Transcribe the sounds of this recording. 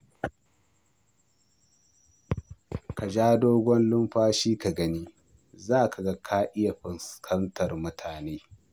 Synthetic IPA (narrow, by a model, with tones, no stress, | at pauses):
ka˨d͡ʒaː˦doː˦ɡʷɔ˦nlʊ˦mɸaː˦ʃiː˦ka˨ɡɐ˦niː˦ | zaː˦˨ka˨ɡa˦kʰaː˦ʔɪ˦ja˨ɸɪ˨nskʰɐ˦ntʰɐ˨rmʊ˦tʰaː˨neː˦